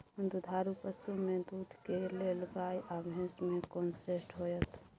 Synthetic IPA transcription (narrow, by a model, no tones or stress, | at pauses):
ɦʊnd̪ʱud̪ʱaːɾupəsumẽd̪uːd̪ʱkeleləɡaːjʔabʱjə̃nsmẽkoːnsɾesʈʰɦojət̪ʰ